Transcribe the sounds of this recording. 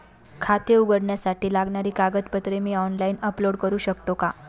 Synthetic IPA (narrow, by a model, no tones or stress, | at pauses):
kʰat̪euɡəɽɳjasaʈʰiːlaɡɳaɾiːkaɡət̪pət̪ɾemiːɔnlaiːnəploɽkəɾuːɕəkt̪oka